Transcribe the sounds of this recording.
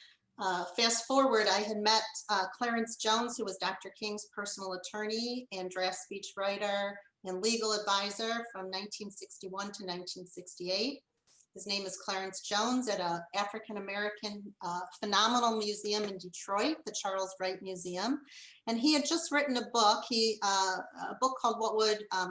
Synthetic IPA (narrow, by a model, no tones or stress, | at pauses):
fæstfɔɹwə˞ɾaɪɨd̚mɛt̚kʰl̥ɛɹɨ̃nsd̥ʒ̥õʊ̃nz̥huwʌzdɑk̚tə˞kʰɪ̃ŋz̥pʰɜ˞sn̩l̩ˠətʰɜ˞niɨ̃ndɹæspit͡ʃɹaɪɾə˞ | ɨ̃nliɡl̩ˠədvaɪzə˞fɹʌ̃mnãɪ̃ntʰĩnsɪkstiwʌ̃ntʰɨnãɪ̃ntʰĩnsɪkstieɪt̚ | hɨznẽɪ̃mɨz̥kʰl̥ɛɹɨ̃nsd̥ʒ̥õʊ̃nzɨɾəæfɹɨkɨ̃nɨmɛɹɨkʰɨ̃nfɨnɑmənl̩ˠmjʉziɨ̃mɨ̃ndɨtʰɹ̥ɔɪt̪̚ðɨt͡ʃʰɑɹlˠzɹaɪt̚mjʉziɨ̃m | ɨ̃niɨd̚d͡ʒʌst̚ɹɪʔn̩əbʊkhi | ə̰bʊkʰːɔlˠd̚wʌt̚wəd